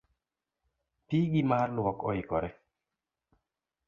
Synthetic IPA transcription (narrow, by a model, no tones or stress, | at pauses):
tiɡimarlwɔkɔikɔɾɛ